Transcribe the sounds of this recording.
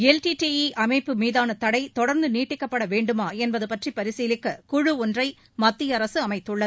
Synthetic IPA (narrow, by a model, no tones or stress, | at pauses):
ɛlʈiʈiiʔɐmɐɪpːɯmiːðaːnɐt̪ɐɽɐɪt̪ɔɽɐɾnd̪ɯniːʈːɪkːɐpːɐɽɐʋeːɳɖɯmaːɛnbɐðɯpɐʈripɐɾɪsiːlɪkːɯkʊɻɯɔndrɐɪ | mɐt̪ːɪjɐɾɐsɯɐmɐɪt̪ːɯɭːɐ